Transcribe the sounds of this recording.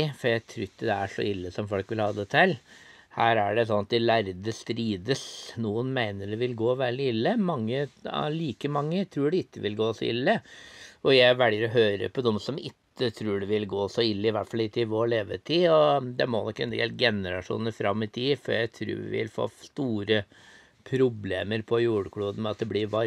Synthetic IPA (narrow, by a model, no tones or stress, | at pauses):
fɔɾjæɪt̪ʰɾʉt̪ːd̪ɛæʂɔ̰ʔɪlːəsɔmfɔlkʋɪlhɑːd̪ɛt̪ʰɛl | hæːɾæɖɛsɔnːɑt̪ɪlæɾd̪əst̪ɾiːd̪əsnuːənmæɪnəɖɛʋɪlɡoːʋæːɭɪɪlːəmɑŋːəliːkəmɑŋːət̪ʰɾʉːɖɛɪkːəʋɪlɡoːsɔɪ̰lːəɔjæɪʋɛljəɾɔɦøːɾə̰pʰɔd̪ɔmsɔmɪkːət̪ʰɾʉːɖɛʋɪlɡoːsɔɪlːəɪʋæʈfɑlɪt̪ːɪʋoːɭeːʋə̰t̪ʰɪɔd̪ɛmɔnɔkːɛnd̪ɛɛ̰lɡɛnəɾɑʂṵːnəɾfɾɑmːɪt̪ʰiːfɔɾjæɪt̪ʰɾʉ̰ːʋɪ̰ʋɪ̰lfo̰ːst̪uːɾə | pʰɾʊbleːməɾpʰɔjuːɽkʰɽuːd̪n̩mɛɑt̪̚d̪ɛblɪɾʋɑ